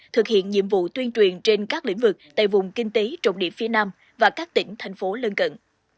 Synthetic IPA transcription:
t̪ʰɨ˨˩k̚hḭ˧˨ənɲḭ˧˨əmvṵ˧˨t̪wi˧ənt͡ɕwi˨˩ənt͡ɕe˧nkaː˦˥k̚lḭ˧˥ŋ̟vɨ˨˩k̚t̪a̰ː˧˨jvʊ˨˩ŋ͡mkï˧ŋ̟t̪e˨˦t͡ɕə̰˧˨wŋ͡mɗḭ˧˨əfi˨˦ənaː˧m | vaː˨˩kaː˦˥k̚t̪ï˧˩ŋ̟t̪ʰa˨˩jŋ̟fo˨˦lə˧nkə̰˧˨n

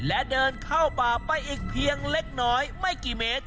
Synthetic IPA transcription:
lɛ˦˥dɤː˧nkʰa˥˩wpaː˨˩a˧jʔiː˨˩k̚pʰi˧əŋle˦˥k̚nɔː˦˥jma˥˩jkiː˨˩meː˦˥t̪̚

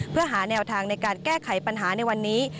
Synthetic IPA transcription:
pʰɯ˥˩əɦaː˩˦nɛː˧wt̪ʰaː˧ŋna˧jkaː˧nkɛː˥˩kʰa˩˦jpa˧nɦaː˩˦na˧jwa˧nːiː˦˥

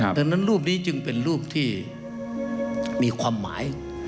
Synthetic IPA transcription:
t̪a˧nːa˦˥˨nɾuː˥˩p̬̚niː˦˥t͡ɕɯ˧ŋpe˨nɾuː˥˩p̚t̪ʰiː˥˩ | miː˧kʰwaː˧mːa̰ː˩˦j

